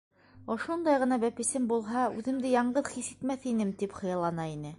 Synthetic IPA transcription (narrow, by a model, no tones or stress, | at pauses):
ŏʃund̪ɑjʁɤ̆nɑbæpɘ̆sɘmbulˠɦɑʉðɘ̆md̪ɘjɑɴɢɤðχisɘt̪mæθinɘmt̪ipχɤ̆jɑlˠɑnɑinɘ